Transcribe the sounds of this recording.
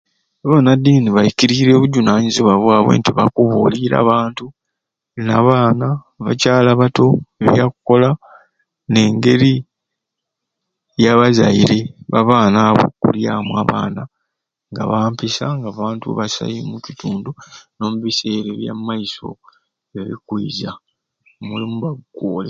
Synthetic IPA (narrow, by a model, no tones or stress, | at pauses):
aβonadiːniβajiciɾiɾeːβuɟunaːɲiziβwaβwaːβwḛːntiβa̰kuβoliɾa̰ːβaːntu | naβaːna | βacaːlaβato̞eβjakuko̞la | ne̞ːŋɡe̞ɾi | jaβazaiɾe̞βaβaːnaβo̞̰kṵljamwa̰βa̰ːna | ŋɡa̰βaːmpisaŋɡaːβaːntuβasa̰jimucituːnduno̞muβise̞ːɾeβja̰mːaiso̞̰ | βeβḭkwiːza | mulimuβaɡɡoːle